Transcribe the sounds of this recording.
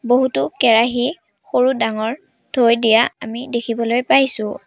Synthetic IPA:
boɦutʊkɛɹaɦi | xoɹudaŋɔɹ | dʰʱojdijaa̰midekʰibɔlojpajsʊ̃

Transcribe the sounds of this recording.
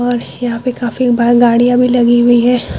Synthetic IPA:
ɔːɾjɐɦãpekaːfikbaɡaːɽijãbʱilɐɡiɦʊiɦɛː

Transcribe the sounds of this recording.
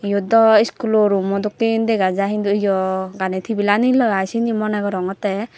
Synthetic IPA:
ijɔd̪ɔiskulɔɾumɔd̪ɔk̚tind̪ɛɡazaɦind̪ujɔɡanɛt̪ʰibilanilɔɡajsinimɔnaɡɔɾɔŋɔt̪ɛ

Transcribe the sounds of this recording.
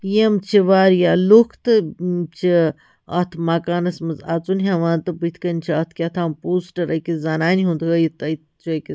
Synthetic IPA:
jemt͡ʃʰiʋaːɾjaːlukʰt̪t͡ʃʰi | ɐt̪ʰmaːkaːnɐsmɐzaːt͡sunɦaʋaːnt̪ɨbɨt̪ʰkɐnʲt͡ʃʰiɐt̪ʰkʲat̪ʰaːmpuːsʈɐɾɐkizanaːniɦũnd̪ʰɡɐjit̪ɐj | t͡ʃək

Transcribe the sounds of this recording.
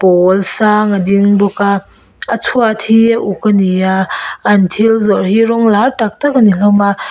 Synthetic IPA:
pɔlsaŋadiŋbɔkaː | t͡sʰuatʰiaʔukanijaːntʰilzɔɾɦiɾɔŋlaɾtak̚takanilawma

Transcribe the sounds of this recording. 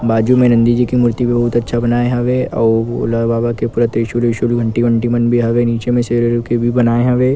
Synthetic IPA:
baːd͡ʒumẽnɐ̃nd̪id͡ʒikimʊɾt̪ibebɐɦʊt̪ɐtːʃʰabɐnaːeɦɐʋeʔɔ̰ːo̰ːlabaːbakepʊɾət̪ɾɪʃlɪʃəlɦə̃ɳʈiʋə̃ɳʈimənbʱiɦɐʋeniːt͡ʃemẽseɾeɾkebʱibɐnaːeɦɐʋeː

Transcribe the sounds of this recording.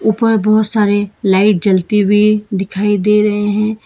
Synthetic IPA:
uːpəɾbɔɦʊt̪saːɾelaːɪʈ̚d͡ʒɐlt̪ibʱid̪ɪkʰaːid̪eːɾɐɦeɦɛ̃ː

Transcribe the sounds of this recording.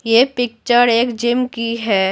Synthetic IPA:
jepɪk̚t͡ʃəɾeːkd͡ʒɪmkiɦɛː

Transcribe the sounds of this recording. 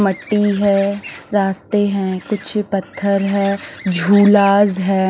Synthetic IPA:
məʈːiɦɛːɾaːst̪eɦɛ̃ːkʊt͡ʃʰpɐt̪ʰːəɾɦɛːd͡ʒʱuːlaːzɦɛː

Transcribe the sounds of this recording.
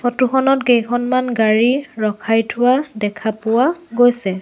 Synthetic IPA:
xɔtuxɔnɔtɡejkʰɔnmanɡaɹiɹɔkʰajtʰʊwadɛkʰapʊwaɡojsɛ

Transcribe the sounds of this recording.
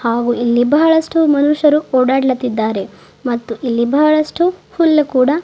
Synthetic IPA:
haːɡuilːibɐɐɭɐsʈumɐnuʂɐɾuoːɽaːɽɐlɐt̪ːid̪ːaːɾe̞ | mɐt̪ːuʔilːibɐːɐɭɐsʈuhulːɐkuːɽɐ

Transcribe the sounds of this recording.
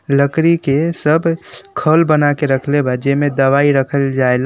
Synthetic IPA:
ləkɾikesəbkʰəlbənakeɾəkʰlebad͡ʒemed̪əʋaiɾəkʰəld͡ʒael

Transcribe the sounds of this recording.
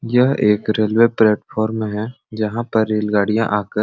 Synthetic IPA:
jɐɦeːkɾeːlweplɛːʈpʰɔːɾmẽɦɛ̃ | d͡ʒɐɦãpɐɾːeːlɡaːɽijã̰ʔaːkəɾ

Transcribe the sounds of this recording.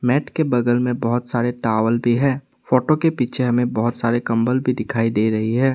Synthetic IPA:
mɛːʈkebɐɡ̪əlmẽbɐɦʊt̪saːɾeʈaːʋəlbʱiɦɛ̃ː | foːʈokepiːt͡ʃʰeɦɐmẽbɐɦʊt̪saːɾekɐ̃mbəlbʱid̪ɪkʰaːid̪eːɾɐɦiɦɛː

